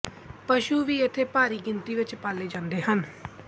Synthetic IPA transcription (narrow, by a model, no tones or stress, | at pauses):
pəʃuːʋiːɪt̪ʰːeːpaːɾiːɡɪnt̪iːʋɪt͡ʃpaːlːeːd͡ʒãːnd̪eːɦən